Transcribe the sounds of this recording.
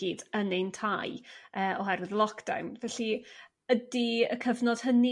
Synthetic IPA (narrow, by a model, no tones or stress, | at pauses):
idənentʰajəːɔɦɛɾɪðlˠɔkʰd̥a̰wnvɛɬi | ədiə̰kʰəvnɔd̥həni